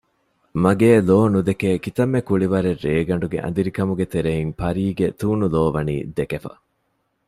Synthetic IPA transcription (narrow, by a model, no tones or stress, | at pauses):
mɐɡeːloːnud̪ekeːkit̪ɐmːekuɭiʋɐɾerːeːɡɐɳɖuɡḛʔɐ̰nd̪iɾikɐmuɡet̪eɾeiŋpɐɾiːɡet̪uːnuloːʋɐnḭːd̪ekefɐ̰